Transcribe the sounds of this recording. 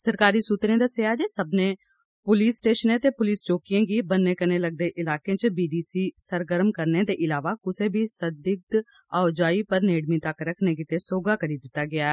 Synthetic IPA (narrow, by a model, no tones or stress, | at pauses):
səɾkaːɾiːsuːt̪ɾẽːd̪aːseːaːd͡ʒeːsəbnẽː | pʊliːsʈeːʃənẽːt̪eːpʊliːst͡ʃoːkɪjãːɡiːbənːeːkəneːləɡ̚d̪eːʔɪlaːkẽːt͡ʃbiːɖiːsiːsəɾɡəɾmkəɾneːd̪eːʔɪlaːʋaːkʊseːbʱiːsəd̪ɪk̚t̪ | aːʊd͡ʒaːiːpəɾneːɽmĩːt̪əkːɾəkʰneːɡit̪eːsoːɡaːkəɾiːd̪ɪt̪ːaːɡɪaːɛː